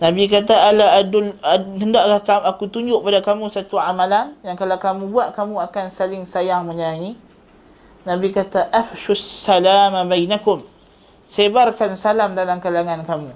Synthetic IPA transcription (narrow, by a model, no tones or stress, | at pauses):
nãbikat̪aaladʊlɦəndaʔkahkaakut̪uɲd͡ʒʊʔ̚padakamũsat̪uʕamalanjaŋkalawkamũbuaʔ̚kamũakansalɪŋsajaŋməɲaɲi | nãbikat̪aʔafʃusːalaːmabajnakʊm | sebarkansalamdalamkalaŋankamũ